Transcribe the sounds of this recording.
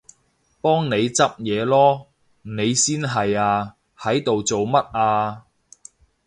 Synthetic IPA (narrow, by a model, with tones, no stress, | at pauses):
pɔː˥ŋne˨˧jt͡sɐ˥p̚jɛː˨˧lɔː˥ | ne˨˧jsiː˥nɦɐ˨jaː˧ | hɐ˨˥jt̪o˨wt͡so˨wmɐ˥t̚ʔaː˧